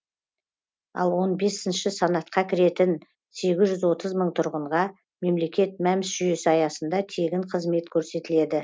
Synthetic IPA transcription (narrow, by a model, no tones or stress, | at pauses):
ɑ̰lˠwo̞nbe̞sɪnʃɪsɑnɑt̪̚qɑkʲʰɪɾe̞t̪ɪn | se̞ɡʲɪzʒʏzwo̞t̪əzməɴt̪ʰʊɾʁəɴʁɑ | me̞mle̞kʲe̞t̪̚mæmɪsʒʏje̞sɪɑjɑsənd̪ɑt̪ʰe̞ɡʲɪɴqʰəzme̞t̪kʲʰɵɾse̞t̪ɪle̞d̪ɪ